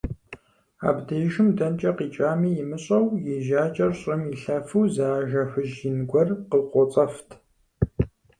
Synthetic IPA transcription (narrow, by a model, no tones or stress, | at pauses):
a̰ːbdɐjʒɪmdɐnt͡ʃʼɐqiːt͡ʃʼaːmiːjɪmɨɕʼɐwjɛʒaːt͡ʃʼɐrɕʼɪmjiɬɐfuwzaːʒɐxʷʊʒjɪnɡʷɔrqəqʷɔt͡sʼɐftʰ